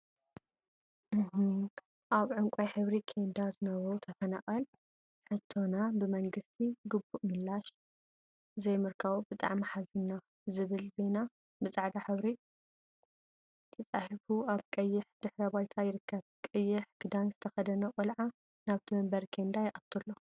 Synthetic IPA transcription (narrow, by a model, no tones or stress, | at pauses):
ʔaβʕʊŋkʷʼojħɨβɾikʰe̞nd̪azɨnɐβɾot̪ʰɐfɐnaχʼɨl | ħɨt̪ʰːo̞nabɨmɐŋɡɨst̪ʰiɡɨbːuʔmɨlːaʃ | ɨzɐjmɨɾkʰɐβbɨt̪ʼa̰ʕmiħazinːa | zɨβɨlze̞na | bɨt͡sʼaʕd̪aħɨβɾi | t̪ʰɐt͡sʼaħfuaβkʼɐjːɪħd̪̥ɨħɾɐβajt̪ʰajɪɾɨkːɐβkʼɐjːɪħɡ̥ɨd̪anzɨt̪ʰɐxɐd̪ɐnɐqʼɨlʕa | naβt̪ʰimɐmbɐɾkʰe̞nd̪ajɪʔʼɐt̪ʰːulːo